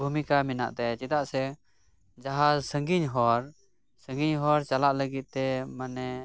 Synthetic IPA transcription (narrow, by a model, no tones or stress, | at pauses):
bʱumikamina̰ʔt̪ɛt͡ʃɛd̪aʔsɛ | d͡ʒaɦad͡ʒsə̃ŋɡiɲɦɔɾ | sə̃ŋɡiɲɦɔɾt͡ʃalaʔləɡit̪̚t̪ɛmanɛ